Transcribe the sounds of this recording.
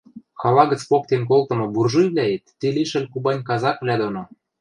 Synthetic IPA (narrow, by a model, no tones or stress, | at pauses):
xɑlɑɡə̆t͡spok̚t̪enk̬olt̪ɤ̆mŏburʒujβlʲæet̪ːeliʃə̆lʲkubɑnʲkɑzɑkβlʲæd̪ono